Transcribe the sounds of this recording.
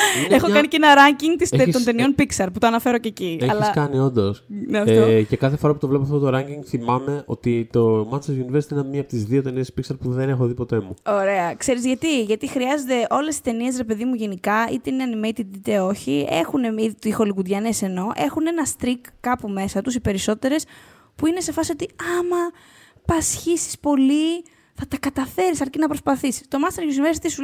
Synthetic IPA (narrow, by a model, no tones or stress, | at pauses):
exokɐnicenɐɾɐɲciŋɡt̪iseo̞nt̪e̞nio̞npiksɐɾput̪oɐnɐfe̞ɾoceːcieɐlçliɐskɐnio̞nd̪osneoce̞kɐθefo̞ɾɐput̪o̞vle̞poɐft̪ot̪oɾɐɲɟiŋɡθimɐme̞ʔo̞t̪it̪o̞mɐnseʝuniveɾsi̥t̪inɐmiɐpot̪izðio̞t̪e̞nie̞spiksɐɾpuðene̞xoðipo̞t̪e̞muo̞ɾe̞ɐkse̞ɾizʝɐt̪iʝɐt̪ixɾiɐzod̪e̞ʔo̞le̞sist̪e̞nie̞s̬ɾe̞pe̞ðimuʝenikɐit̪eineɐnimejt̪id̪it̪e̞o̞çie̞̰xuneit̪uixo̞liɣud̪ʝɐnese̞no̞ʔe̞xune̞nɐst̪ɾikːɐpume̞sɐt̪usipe̞ɾiso̞t̪e̞ɾe̞s | puine̞se̞fɐsio̞t̪iɐmɐ | pɐsçisi̥spo̞li | θɐt̪ɐkɐt̪ɐfe̞ɾisɐɾcinɐpɾospɐθisi̥st̪o̞mɐnst̪eɾʝuzniveɾsɐt̪isu